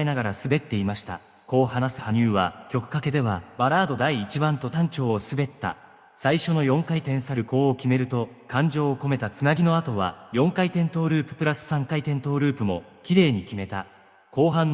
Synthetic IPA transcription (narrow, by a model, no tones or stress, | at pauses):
enaɡaɾasɨbe̞t̪ːe̞imaɕi̥t̪a̰ | ko̞ːhanasɨ̥haɲ̟ɨːβakʲo̞kɯ̟̥kake̞d̪e̞βabaɾaːd̪o̞d̪aiːt͡ɕibãnt̪o̞t̪ãɲt͡ɕo̞ːsɨbe̞t̪ːa̰ | saiɕo̞no̞jõ̞ŋkait̪ẽ̞ɰ̃saɾɯ̟ko̞ːkʲime̞ɾɯ̟t̪o̞kãɲ̟d͡ʑo̞ːko̞me̞t̪at͡sɨnaɡʲino̞at̪o̞βa̰jõ̞ŋkait̪ẽ̞nt̪o̞ːɾɯ̟ːpɯ̟̥pɯ̟ɾasɨ̥sãŋkait̪ẽ̞nt̪o̞ːɾɯ̟ːpɯ̟mo̞ | kʲiɾe̞ːɲ̟ikʲime̞t̪a | ko̞ːɦãnː